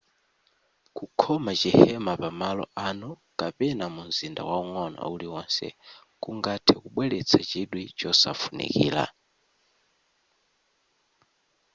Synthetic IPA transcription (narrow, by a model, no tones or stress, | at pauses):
kukʰɔmat͡ʃihɛmapamalɔ̰ʔanɔkapɛnamunzinda̰wauŋɔna̰uliwɔnsɛ̰ | kuŋɡatʰɛkuɓwɛlɛt͡sʰat͡ʃiɗwit͡ʃɔsafunḭkiːla̰